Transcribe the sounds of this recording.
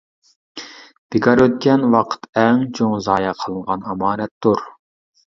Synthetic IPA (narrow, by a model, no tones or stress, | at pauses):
b̥ɪɡɑɾøt̪̚kʲɛnwɑqʰə̥t̪ɛŋt͡ʃʰoŋzɑːjɑqʰəlˠəɴʁɑnɑmɑːnɛt̪ːuɾ